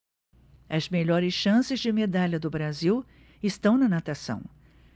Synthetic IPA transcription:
ɐzmeʎɔɾɪsʃɐ̃sɪzd͡ʒɪmed̪aʎɐd̪ʊbɾaziw | ɪst̪ɐ̃w̃nɐnat̪asɐ̰̃w̃

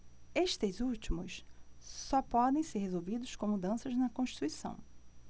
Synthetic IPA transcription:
eʃt̪ezut͡ʃimʊssɔpɔd̪ẽj̃seɾhezowvid̪ʊʃkõw̃mud̪ɐ̃sɐznɐkõʃt͡ʃi̥t̪uisɐ̰̃w̃

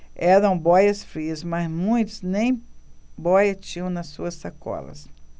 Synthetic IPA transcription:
ɛɾɐ̃w̃bɔjɐsfɾiɐsmɐzmũj̃t̪ʊznẽj̃bɔjɐt͡ʃĩɐ̃w̃nɐsːuɐsːakɔ̰lɐ̰s

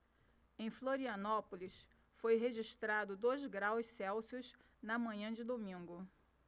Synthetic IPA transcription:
ẽj̃floɾiɐnɔpolis | fojɦeʒiʃt̪ɾad̪ʊd̪ojzɡɾawssɛwsijʊz | nɐmɐ̃ɲɐ̃d͡ʒɪd̪omĩŋɡʊ

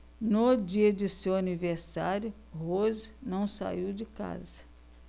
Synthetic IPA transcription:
nod͡ʒiɐd͡ʒɪsewaniveɾsaɾjʊ | hoznɐ̃w̃sa̰iwd͡ʒɪka̰zɐ

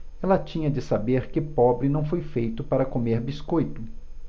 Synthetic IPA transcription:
ɛlɐt͡ʃĩɲɐd͡ʒɪsabeɾkɪpɔbɾɪnɐ̃w̃fojfejt̪ʊpaɾɐkomeɾbiskojt̪ʊ

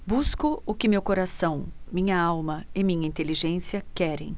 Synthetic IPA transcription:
buskʊʊkɪmewkoɾasɐ̃w̃mĩɲɐawmɐɪmĩɲɐĩnt̪eliʒẽsiɐkɛɾḛ̃j̃

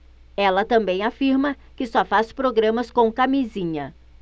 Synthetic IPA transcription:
ɛlɐt̪ɐ̃mbẽj̃afiɾmɐ | kɪsɔfaspɾoɡɾɐ̃mɐskõkamizĩɲɐ

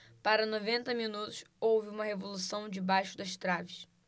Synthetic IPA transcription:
paɾɐnovẽnt̪ɐmĩnut̪ʊsowvɪũmɐhevolusɐ̃w̃d͡ʒɪbajʃʊd̪ɐʃt̪ɾavɪʃ

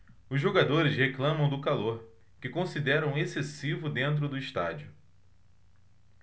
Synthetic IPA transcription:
ʊzʒoɡad̪oɾɪzheklɐ̃mɐ̃w̃d̪ʊkaloɾ | kɪkõsid̪ɛɾɐ̃w̃esesivʊd̪ẽnt̪̬ɾʊd̪ʊiʃt̪a̰d͡ʒiʊ

